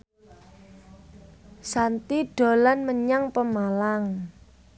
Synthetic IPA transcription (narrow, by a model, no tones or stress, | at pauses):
sant̪iɖ̥o̤lanməɲaŋpəmalaŋ